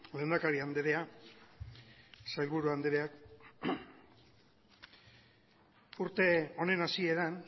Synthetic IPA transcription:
le̞ːnd̪akaɾiand̪eɾe̞a | sajlβuɾuand̪eɾeak | uɾt̪e̞o̞ne̞nasie̞ɾan

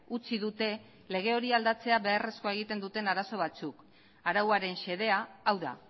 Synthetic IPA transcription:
ut͡siðut̪e̞ | le̞ɣ̞e̞o̞ɾiald̪at͡se̞aβe̞are̞sko̞e̞ɣ̞it̪e̞nd̪ut̪e̞naɾaso̞β̞at͡suk | aɾawaɾe̞nʃe̞ð̞e̞aːwða̰

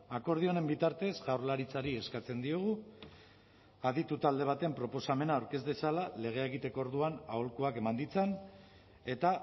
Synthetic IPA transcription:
ako̞ɾð̞io̞ne̞mbit̪aɾt̪e̞szɣawɾlaɾit͡saɾie̞skat͡se̞nd̪ioɣ̞u | aðit̪ut̪ald̪e̞β̞at̪e̞mpɾo̞po̞same̞naːwɾke̞zd̪e̞salale̞ɣ̞e̞aeɣit̪e̞ko̞ːɾðuanaolkuake̞mand̪it͡sen | e̞t̪a

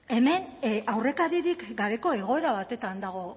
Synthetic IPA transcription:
e̞me̞nʔawre̞kaɾiɾikɡaβe̞ko̞e̞ɣ̞o̞e̞ɾaβat̪e̞t̪and̪aɣ̞o̞

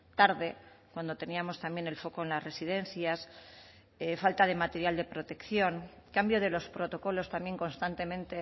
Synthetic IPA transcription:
t̪aɾðekwand̪o̞t̪e̞niamo̞st̪ambjene̞lfo̞ko̞enlasre̞siðe̞n̟θjas | efalt̪að̞e̞mat̪e̞ɾjald̪e̞pɾo̞t̪e̞kθjo̞ŋkambjo̞ð̞e̞lo̞spɾo̞t̪o̞ko̞lo̞st̪ambje̞ŋko̞nst̪ant̪e̞mẽ̞nt̪e̞

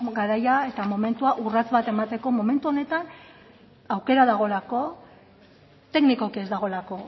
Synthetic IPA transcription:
ɡaɾajae̞t̪amo̞me̞nt̪uaʔurat͡sβat̪e̞mat̪e̞ko̞mo̞me̞nt̪uo̞ne̞t̪an | awke̞ɾaðaɣ̞o̞lako̞ | t̪e̞kniko̞kie̞zd̪aɣ̞o̞lako̞

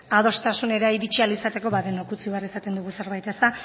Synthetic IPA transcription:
að̞o̞st̪asune̞ɾaiɾit͡ʃialisat̪e̞ko̞βaðenokut͡siβarisat̪e̞nd̪uɣuse̞ɾβ̞ajt̪est̪a

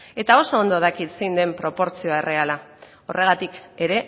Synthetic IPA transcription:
e̞t̪ao̞so̞ːnd̪oð̞akit̪sejnd̪e̞mpɾo̞po̞ɾt͡sio̞ae̞rʔe̞ala | o̞̰rʔe̞ɣ̞at̪ike̞ɾe̞

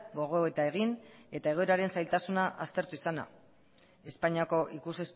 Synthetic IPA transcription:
ɡo̞ɣ̞o̞oet̪ae̞ɣ̞ine̞t̪ae̞ɣ̞o̞eɾaɾe̞nsajlt̪asunaʔast̪e̞ɾt̪uisana̰ | e̞spaɲiako̞ʔikuses

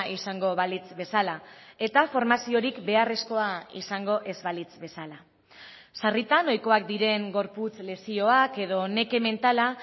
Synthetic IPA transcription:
isaŋɡo̞βalit͡sbe̞salae̞t̪afo̞ɾmasio̞ɾikbe̞are̞sko̞aḭsaŋɡo̞ʔe̞zβalit͡sbe̞sala | sarit̪anojko̞ak̚d̪iɾe̞ŋɡo̞ɾput͡sle̞sio̞ake̞ðo̞ne̞ke̞me̞nt̪ala

